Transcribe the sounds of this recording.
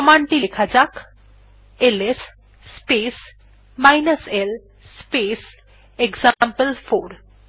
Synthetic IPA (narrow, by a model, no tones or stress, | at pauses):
ɔmaɳʈilekʰad͡ʑak | eles | spes | majnəsel | spes | eɡzampəlfoɾ